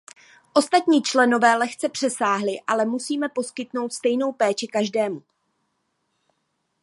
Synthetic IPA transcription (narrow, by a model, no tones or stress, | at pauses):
ʔo̞st̪at̪ɲiːt͡ʃlɛno̞vɛːlɛxt͡sɛpr̥ɛsaːɦlɪʔalɛmusiːmɛpo̞skɪt̪no̞wt̪st̪ɛjno̞wpɛːt͡ʃɪkaʒdɛːmu